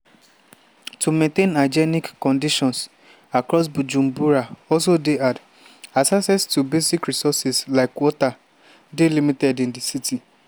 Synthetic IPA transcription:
tʰumẽntẽnad͡ʒɛnikːɔ̃ndiʃɔ̃ns | akɹɔsbud͡ʒũmbuɹaɔls̬odead | asasɛstubesikɹisɔsislaɪkwɔta | delimitɛdĩndisitʰi

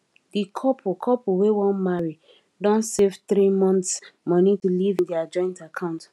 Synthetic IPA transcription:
dikʰɔpʰkʰɔpuwewɔ̃nmaɹi | dɔ̃ntsevt̪ɾimɔ̃ntsmɔnitulivĩndiad͡ʒɔ̃ɪ̃ntakʰãʊ̃nt

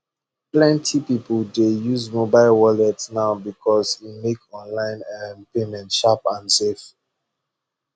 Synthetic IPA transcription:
plɛ̃ntʰipipəldejuzmobaɪlwɔlɛtnaʊbikʰɔsimekɔ̃nlãɪ̃nɛmpemɛ̃ntʃapãnsef

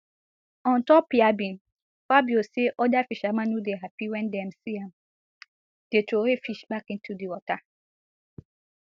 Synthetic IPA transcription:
ɔ̃ntɔpːiabĩn | fabioseʔɔdafiʃamãnhudeɦapiwɛ̃ndɛmsiãm | d̥etʰɾohefiʃbakĩntudiwɔta

